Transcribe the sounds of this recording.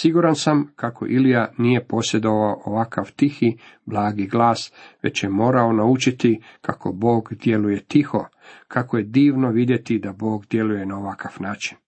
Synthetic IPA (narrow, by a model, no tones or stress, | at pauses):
siɡuɾansamkakʰo̞̰ʔilijanije̞po̞sje̞d̪o̞ʋaoʔoʋakaʋt̪ixiblˠaːɡiɡlaːsʋe̞̰t͡ɕje̞mo̞ːɾao̞naut͡ʃit̪ikakʰo̞bo̞ːɡd̪je̞luje̞t̪ixo̞ | kʰakoje̞d̪iːʋno̞ʋid̪je̞t̪id̪abo̞ːɡd̪je̞luje̞naoʋakaʋnaːt͡ʃi̥n